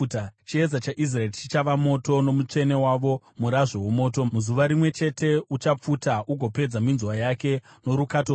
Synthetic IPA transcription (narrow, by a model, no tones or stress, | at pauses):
tat͡ʃied͡zat͡ʃaʔis̬raerit͡ʃit͡ʃaʋamo̞to̞no̞mut͡ʂe̞ne̞waːʋo̞ | muɾaʐo̞womo̞ːto̞muzuʋaɾimwe̞t͡ʃe̞tʰe̞ut͡ʃap͡futaʔuɡʱo̞pe̞d͡zaminzwajake̞ | no̞ɾukato